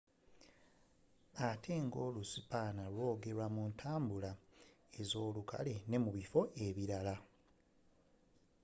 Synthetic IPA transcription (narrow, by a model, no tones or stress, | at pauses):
atʰe̞ːŋɡo̞ːlusipaːnalwo̞ːɡe̞ɾwamuntʰaːmbula | e̞zo̞ːlukʰa̰le̞ne̞muβifo̞ʔe̞βiɾala